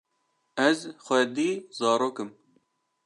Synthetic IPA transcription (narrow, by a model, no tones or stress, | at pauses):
ɛzxʷɛd̪iːzɑːɾoːkɨm